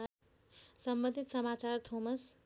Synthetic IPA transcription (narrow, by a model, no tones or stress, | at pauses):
sʌmbʌnd̪ʱit̪sʌmat͡sart̪ʰomʌs